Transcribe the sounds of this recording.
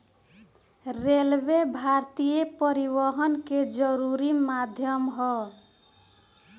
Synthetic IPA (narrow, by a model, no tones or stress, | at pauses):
ɾelbebʱaɾt̪ijepʌɾiβʌɦʌnked͡ʒʌɾuɾimad̪ʱjʌmɦɔ